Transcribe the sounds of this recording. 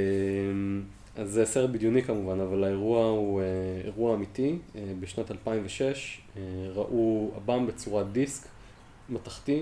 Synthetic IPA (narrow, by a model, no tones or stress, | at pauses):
em | azeseʁebidjunikamuvanavalaeʁuaueḛʁuaːmitiebeʃnatalpaimveʃeʃ | eʁaʔua̰bambet͡suʁadisk | mataχti